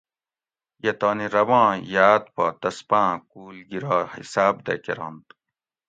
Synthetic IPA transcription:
jet̪ɑːniɾɐwãːjaːt̪̚paːt̪ɐspãːk̚uːlɡiɾɑːhḭsaːb̚d̪ɐ̰kḛɾɑ̰̃ːnt̪

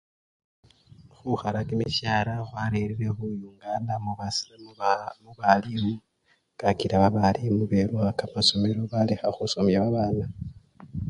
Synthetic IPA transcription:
xuxaɾakimiʃjaːɾaxwaɾeɾiɾexujuŋɡadamuβas | muβalimu | kakiɾaβaβalimuβeɾwakamaso̞meɾo̞βalexaxusomjaβaβaːna

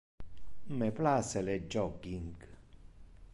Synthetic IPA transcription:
mɛplasɛlɛd͡ʒɔɡiŋɡ

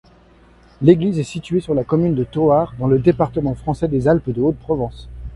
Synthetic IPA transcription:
leɡlizɛsit̪ɥesyʁlakɔmynd̪ət̪oaʁd̪ɑ̃ləd̪epaʁt̪əmɑ̃fχɑ̃sɛd̪ezalpd̪əot̪̚pχɔvɑ̃s

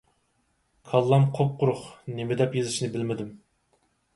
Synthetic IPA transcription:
kʰɑlˠːɑmqʰop̚qʰʊɾʊχnemɪd̪ɛpjezɨʃnɪbɪlmɪd̪ɪm

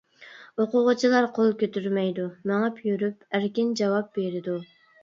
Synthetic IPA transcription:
oqʊʁʊt͡ʃʰilˠɑɾqʰolˠkʲøt̪yɾmɛjd̪umɛŋɑpʰjyɾypæɾkʲind͡ʒɑwɑp̚beɾɪd̪u

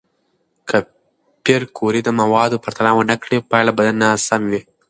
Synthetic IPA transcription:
kɐ | pːjɐɾkuːɾid̪ɐmɐʋaːd̪upɐɾt̪ʰɐnaːʋɐnɐkːɽepːaːlɐbɐd̪ɐnːaːsɐmʋe

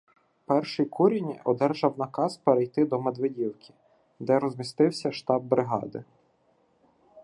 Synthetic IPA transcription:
pɛrʃɪjkʰuɾʲinʲiʔɔd̪ɛrʒɐwnɐkɑspeɾejt̪ɪd̪ɔmed̪ʋedʲiwkʲi̥ | d̪ɛɾɔzmʲist̪ɪwsʲɐʃt̪ɑb̚ːɾɪɦɑ̰d̪ɪ

